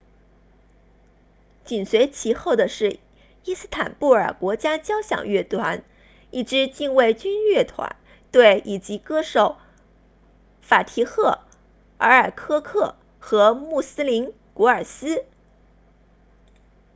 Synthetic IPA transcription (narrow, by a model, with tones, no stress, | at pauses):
t͡ɕi˨˩nswe˧˥ɪt͡ɕʰi˧˥xo˥˩ʊd̪ə˩ʂɻ̩˥˩ | i˥sɹ̩˥˩t̪ʰa̰˨˩npu˥˩ə̰˞˨˩kwɔ˧˥t͡ɕja˥t͡ɕjɑ˥ʊɕjɑ̰˨˩ŋɥɛ˥˩t̪ʰwa˧˥n | i˥˩ʈ͡ʂɻ̩˧˥t͡ɕi˥˧ŋwe˥˩ɪt͡ɕy˥nɥɛ˥˩t̪ʰwa̰˧˥n | t̪we˥˩ɪʔi˨˩t͡ɕi˧˥kɤ˥ʂo˨˩˦ʊ | fa˨˩t̪ʰi˧˥xɤ˥˩ | ə˞˧˥ə˞˨˩kʰɤ˥kʰɤ˥˩ | xɤ˧˥mu˥˩sɹ̩˥li˧˥n | ku˧˥ə˞˨˩sɹ̩˥